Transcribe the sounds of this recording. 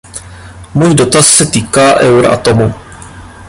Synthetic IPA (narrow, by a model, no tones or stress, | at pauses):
muːjido̞t̪asːɛt̪iːkaːʔɛwɾʔa̰t̪o̞mu